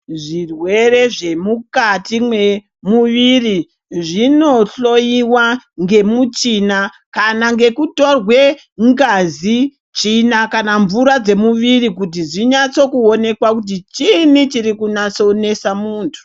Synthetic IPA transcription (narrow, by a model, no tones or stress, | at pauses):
ʐirwe̞re̞ʐe̞mukatimwe | muʋiri | ʐino̞ɬo̞jiwaŋɡe̞mut͡ʃina | kanaŋɡe̞kuto̞rwe | ŋɡazi | t͡ʃinakanaɱvuɾad͡ze̞muʋirikut̬iʐiɲat͡so̞kuo̞ne̞kwakut̬it͡ʃinit͡ʃiɾikunat͡sone̞samuːntʰu̥